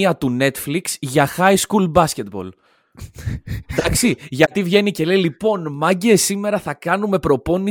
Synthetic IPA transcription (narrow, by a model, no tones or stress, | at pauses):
iɐt̪une̞t̪fliksʝɐxɐiskulbɐsce̞t̪bo̞̰l | d̪ɐksiʝɐt̪ivʝe̞nice̞le̞lipo̞nmɐɲɟeːsime̞ɾɐθɐkɐnume̞pɾo̞po̞ni